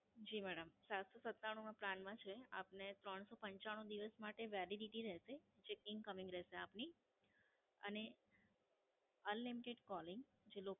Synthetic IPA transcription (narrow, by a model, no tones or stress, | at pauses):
d͡ʒimɛɽəmsat̪sosət̪ːaɽ̃ũnãpɾanmãt͡ʃʰea̰pnet̪ɾəɳsopəɲt͡ʃaɽ̃ũd̪iʋəsmaʈeʋaliɖiʈiɾɛʃet͡ʃekɪ̃ŋɡkəmɪ̃ŋɡɾɛɦʃeapni | ə̰ne | ənlimiʈeɖkɔlɪŋɡ | d͡ʒelok